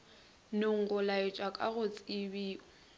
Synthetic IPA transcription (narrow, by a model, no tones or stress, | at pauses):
nʊŋ̩ɣʊlaɪt͡ʃʼwakʼaɣʊt͡sʼɪbiːʊ